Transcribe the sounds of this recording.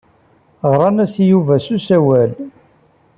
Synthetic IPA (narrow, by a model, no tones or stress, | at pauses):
ʁɾˤɑnæsjuvæsusæwæl